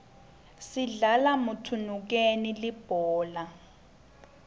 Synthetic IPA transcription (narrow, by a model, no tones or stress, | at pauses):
siɮalamutʰunuk̬enilib̥ʱɔːla